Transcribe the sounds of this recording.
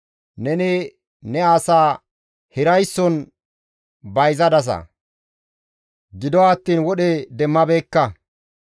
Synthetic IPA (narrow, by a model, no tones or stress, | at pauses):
nɛnɪ | nɛaːsaː | hɪɾɐjsːɔn | bɐjzɐd̪ɐs̬ɐ̰ | ɡɪd̪ɔwaːt̪ːiːnwɔɗɛd̪ɛmːɐbeːkːɐ